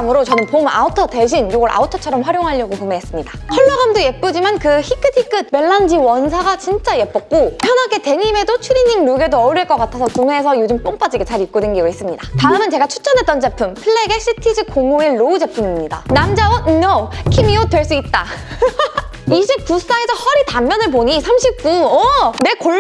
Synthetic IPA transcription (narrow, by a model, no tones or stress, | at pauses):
mɯɾot͡ɕʌnɯnpoma̰utʰʌte̞ɕ̬ʰinjoɡʌɾʔa̰utʰʌt͡ɕʰʌɾʌmɸwaɾjoŋɦaʎːʌɡokumeɦes͈ɯmɲidahʌɭːʌɡamdoje̞p͈ud͡ʑimankɯçikʰɯtʰik͈ʰɯt̚be̞ɭːand͡ʑiwʌnsʰaɡat͡ɕint͡ɕ͈aje̞p͈ʌk̚k͈opʰjʌnɦaɡe̞te̞ɲime̞dot͡ɕʰuɾiɲiŋnuɡe̞doʌɾjiɭk͈ʌk͈atʰasʰʌkuŋeːsʰʌjod͡ʑɯmp͈oŋp͈ad͡ʑiɡet͡ɕaɾip̚k͈odwenɡiɡois͈ɯmɲidataɾɯmɯnt͡ɕe̞ɡat͡ɕʰu̥t͡ɕ͈ʌnɦet͈ʌnt͡ɕe̞pʰumpʰɯɭːeɡeɕʰitʰid͡ʑɯkoŋoeːoud͡ʑe̞pʰumimɲida̰namd͡ʑawʌɲʌkʰimiotwe̞ɭs͈uit̚t͈a | iɕʰip̚k͈us͈aesʰʌhʌɾitamːjʌnɯɭp̬oɲisʰamɕʰip̚k͈uʌne̞ko